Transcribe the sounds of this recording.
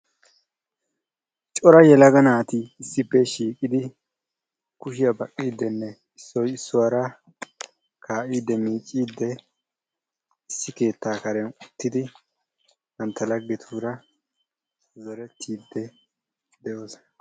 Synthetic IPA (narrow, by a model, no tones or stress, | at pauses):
t͡ʃʼɔɾɐjɛlɐɡɐnaːt̪ɪːsːɪpːɛʃiːkʼɪd̪ɪ | kʊʃɪjɐbɐkʼːiːd̪ːɛnːɛ | ɪsːɔjɪsːʊwaɾɐ | kʰaːʔiːd̪ːɛmiːt͡ʃʼːiːd̪ːɛ | ɪsːɪke̞ːt̪ːaːkɐɾɛnʊt̪ːɪd̪ɪ | nɐnt̪ːɐlɐɡːɛt̪ʰuːɾɐ | zɔɾɛt̪ʰːiːd̪ːɛ | d̪ɛjo̞ːs